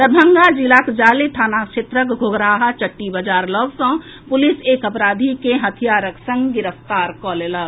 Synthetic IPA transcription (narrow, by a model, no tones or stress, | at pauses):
t̪əɾbʱə̃ŋɡad͡ʒilakd͡ʒaːlet̪ʰaːnakt͡ʃʰet̪ɾəkɡʱoɡɾaːɦat͡ʃəʈːibəd͡ʒaːɾlɔʋsə̃ | pʊliseːkəpɾaːd̪ʱikeɦət̪ʰijaːɾəksə̃ŋɡɡɪɾəft̪aːɾkɔːlela